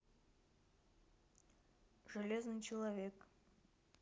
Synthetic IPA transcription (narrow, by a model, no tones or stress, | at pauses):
ʐɨlʲeznɨjt͡ʃʰɪlˠavʲek